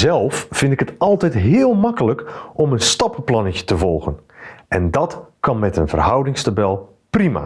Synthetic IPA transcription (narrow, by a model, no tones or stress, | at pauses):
zɛlˠfːɪndɪkɦətɑlˠtɛjtɦɪːlˠmɑkələkʔɔmənstɑpplɑnəcə̥təvɔlˠɣənʔɛndɑtkɑnmɛtənvərɦʌwdɪŋstabɛlˠ | prima̰